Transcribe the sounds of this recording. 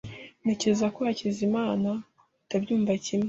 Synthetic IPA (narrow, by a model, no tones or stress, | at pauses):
ne̞ce̞zako̞hacizimaːna | tabɟuːmvacime